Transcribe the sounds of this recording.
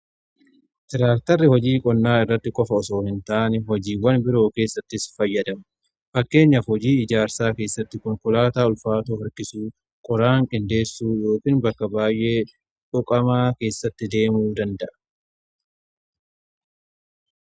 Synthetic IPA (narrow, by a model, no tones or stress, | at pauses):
t̪ɪɾaːkt̪ɐrːɪhɔd͡ʒiːkʼɔnːaːɪrːɐt̪ːɪkʼɔfɐɔso̞ːhɪnt̪aːnɛɦɔd͡ʒiːwɐnbɪɾo̞ːke̞ːsːɐt̪ːɪsfɐjːɐd̪ɐmɐ | fɐkːe̞ːɲːɐfhɔd͡ʒiːɪd͡ʒaːɾsaːke̞ːsːɐt̪ːɪkɔŋkʊlaːt̪aːʊlfaːt̪oːhɐɾkɪsuː | kʼɔɾaːŋkʼɪnd̪e̞ːsːuːjo̞ːkʼiːnbɐkːɐbaːjʔe̞ː | ᶑʊkʼɐmaːke̞ːsːɐt̪ːɪd̪e̞ːmuːd̪ɐnd̪ɐʔɐ̥